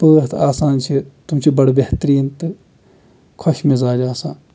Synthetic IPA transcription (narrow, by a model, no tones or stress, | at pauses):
pəːt̪ʰaːsaːnt͡ʃʰit̪umt͡ʃʰibɐɽbeht̪ɾiːnt̪ɨ | kʰɔʃmẽzaːd͡ʒaːsãːn